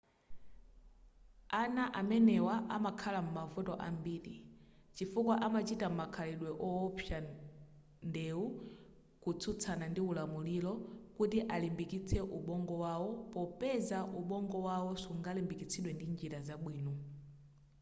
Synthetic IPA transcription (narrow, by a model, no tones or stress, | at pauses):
anaʔamɛnɛwaʔamakʰalamumavutɔʔambiːɗit͡ʃifukwaʔamat͡ʃitam̩makʰalɛɗwɛʔɔːpʰja | ndɛu | kut͡sʰut͡sʰanandiulamulilɔkutiʔalimbikit͡sʰɛʔuɓɔŋɡɔwawɔpɔpɛzaʔuɓɔŋɡɔwawɔsuŋɡalimbikit͡sʰiɗwɛndind͡ʒiɾazaɓwiːnɔ